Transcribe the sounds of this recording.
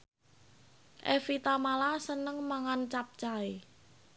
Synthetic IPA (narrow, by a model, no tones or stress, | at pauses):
ʔefit̪amalasənəŋmaŋant͡ʃap̚t͡ʃai